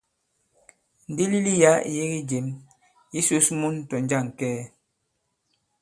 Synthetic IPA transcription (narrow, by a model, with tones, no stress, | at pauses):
n̩˨di˦li˦li˦ja˨˦ḭ˨je˦ɣi˦d͡ʒe˨˦m | ji˦so˦smu˦n˦tɔ˨n˦d͡ʒa˦˨ŋ˨kɛː˦